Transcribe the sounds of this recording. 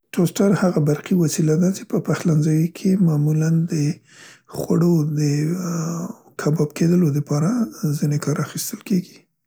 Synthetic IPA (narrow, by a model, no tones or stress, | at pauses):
ʈosʈaɾhaɣabaɾqiwasilad̪at͡ʃe̥pəpaxlanzɑjikʰemɑmuland̪ə | xwa̰ɽod̪ə | kʰabɑbked̪əlod̪əpɑɾazinekɑɾaxist̪əlkeɡi̥